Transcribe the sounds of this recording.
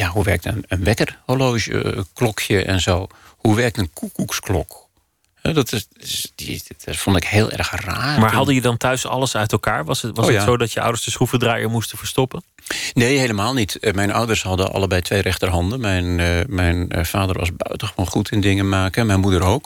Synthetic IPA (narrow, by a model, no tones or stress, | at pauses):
jaɦuʋɛrk̚tə̰nənʋɛkərholoːʒə̰klɔkʰjəʔɛ̰nzoːhuʋɛrk̚tənkʰukuksklɔ̰k | hɛdɔtɪsɪs | fɔndɪkheːlˠʔɛ̰rxra̰ːmaːɹɦɑdəjədɑntʰœɥsɑ̰ləsœɥtɛlˠkaːɹʋɑsʋɑətsowdɔtjəʔɔ̰wdəsdəsrufədraːjəmustəfəɹstɔpən | neːheːləmaːlˠnitmɛjnɔ̰wdərshɑdəʔɑ̰lˠəbɛjtʰʋejrɛxtərɦɑndənmɛjnmɛjnfaːdərʋɑ̰sbœ̰ɥtəxəʋoːnχutʰɪndɪŋənmaːkəmɛjnmudəɾoːk